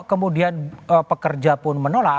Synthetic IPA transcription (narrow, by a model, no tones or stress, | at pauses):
kəmudianəpəkərd͡ʒapʊnmənola